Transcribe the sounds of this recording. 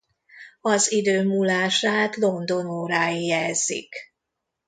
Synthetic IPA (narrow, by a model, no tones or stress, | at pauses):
ɒzid̪øːmuːlaːʃaːt̪lo̞nd̪o̞noːɾaːjijɛzːḭk